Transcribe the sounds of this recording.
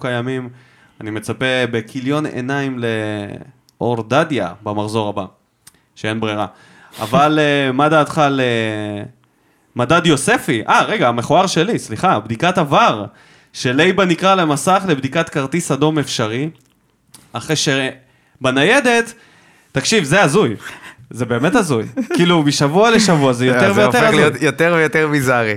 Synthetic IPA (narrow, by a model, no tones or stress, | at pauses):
kajamim | anime̞t͡sape̞be̞kʰiljo̞nḛnaimle̞ | ʔo̞ʁd̪adja̰bamaχzo̞ʁaba | ʃee̞nbʁeʁa | a̰valmad̪aːt̪χale | madad̪jo̞se̞fiʔaʁeɡaameχoaʁʃe̞lisliχabd̪ikatavaʁ | ʃe̞lejbanikʁalemasaχle̞bd̪ikat̪kaʁt̪isad̪o̞me̞fʃaʁi | aχʁejʃe | banaje̞d̪e̞t̪ː | akʃivzeazujze̞be̞ːmet̪azujkiːlumiʃavualeʃavuazejot̪eʁvejotezjot̪eʁvejot̪eʁbizaʁi